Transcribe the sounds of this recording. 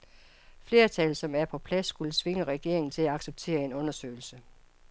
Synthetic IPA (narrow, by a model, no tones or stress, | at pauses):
fle̝ːɐt͡sʰɛlsɒ̽mæɐpʰɒ̽pʰlæsːɡ̥ulət͡sʰʋe̝ŋəʁɛɡ̥e̝̰ɐ̰e̝ŋn̩t͡sʰe̝læɑ̈ɡ̥seb̥̚t͡sʰe̝̰ːɐe̝nɔ̽nɐsø̰ːɪl̩sə